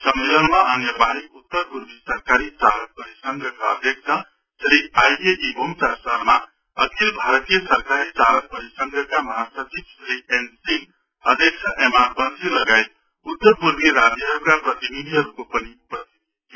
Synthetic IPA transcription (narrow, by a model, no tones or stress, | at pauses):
sʌmːelʌnmaʌnjʌbaɦikut̪ːʌɾpuɾbisʌɾkaɾit͡ʃalʌk̚pʌɾisʌŋɡʱəkaʌ̰d̪ʱjʌk̚sʰʌ | sɾiajeʔibomsaɾsaɾma | ʌkʰilbʱaɾʌt̪ijəsʌɾkaɾit͡ʃalʌk̚pʌɾisʌŋɡəkamʌɦasʌt͡ʃibsɾiensiŋ | ʌd̪ʱjʌk̚t͡ʃʰʌʔemaɾbʌnsilʌɡajt̪̚ | ut̪ːʌɾpuɾbiɾad͡zjʌɦʌɾukaprʌt̪inid̪ʱiɦʌɾukopʌniupʌst̪ʰit̪̚ | io